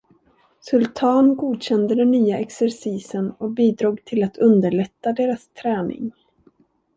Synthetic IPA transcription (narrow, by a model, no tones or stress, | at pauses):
sɵlt̪ʰɑːnɡuːd̪ɕɛnd̪əd̪ɛnːyːaɛksɛɾsiːsənɔk̚biːd̪ɾuːɡt̪ʰɪlat̪ʰɵnd̪əɭɛt̪ːad̪eːɾast̪ʰɾɛːnɪ̰ŋ